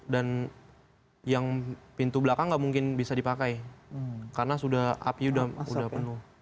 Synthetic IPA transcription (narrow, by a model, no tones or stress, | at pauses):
dan | jaŋpint̪ublakaŋɡaʔmuŋkɪnbisadipakaj | karənasudaha̰piudahṵdahpənʊh